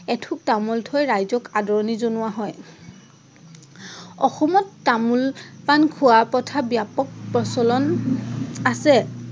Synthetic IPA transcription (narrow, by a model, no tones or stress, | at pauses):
ɛtʰuk̚tamɔltʰɔjɹajzɔkadɔɹɔnizonʊwaɦɔj | ɔxɔmɔtːamulpankʰʊwapɔtʰabjapɔk̚pɹɔsɔlɔn | asɛ